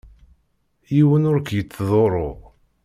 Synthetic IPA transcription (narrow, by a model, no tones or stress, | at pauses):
jiwənʊɾkjət͡sːðˤoɾˤo